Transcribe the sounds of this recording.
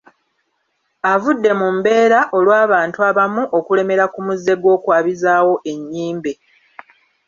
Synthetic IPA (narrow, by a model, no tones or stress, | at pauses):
avudːe̞mumbe̞ːɾaʔo̞lwaːβaːntuaβamuʔo̞kule̞me̞ɾakumuzːe̞ɡwo̞ːkwaːβizaːwo̞ʔe̞ɲːiːmbe̞